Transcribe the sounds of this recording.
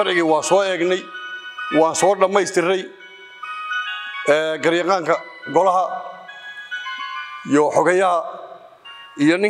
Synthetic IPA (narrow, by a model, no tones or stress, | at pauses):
ɐɾʕɪɣɪwɑːsɔːɛːɡnɛjwɑːnsɔːɖɐmɛjst̪ʰɪɾɛj | ɛːɡɐrjɑqɑːŋkʰɐɡɔlɐɦɐ | jɔħɔɣɐjɐɦɐ | ijɔnɪ